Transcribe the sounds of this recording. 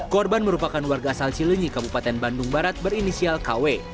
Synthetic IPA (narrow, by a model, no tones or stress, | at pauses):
kɔrbanməɾupakanwarɡaːsalt͡ʃiləɲikabupat̪ɛnbandʊŋbaɾat̪̚bərinisialkawe